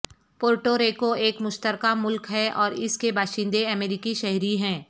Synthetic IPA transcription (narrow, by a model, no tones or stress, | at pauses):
poːɾʈoɾeːkoeːkmʊʃt̪əɾkamʊlkɦɛʔɔːɾɪskebaːʃɪ̃nd̪eɐmeːɾiːkiʃɛɦɾiɦɛ̃ː